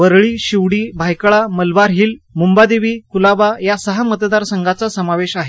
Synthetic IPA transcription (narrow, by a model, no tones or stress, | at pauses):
ʋəɾɭiːɕiʋɽiːbʱajkɭaməlʋaɾɦiːlmumbad̪eʋiːkulabajasəɦamət̪d̪aɾsəŋɡat͡sasəmaʋeɕaɦe